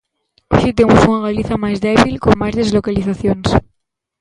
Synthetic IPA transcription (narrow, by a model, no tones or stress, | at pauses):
o̰ʃet̪emusunaɣaliθamazðeβ̞ilko̞ŋmazðezlokaliθaθjons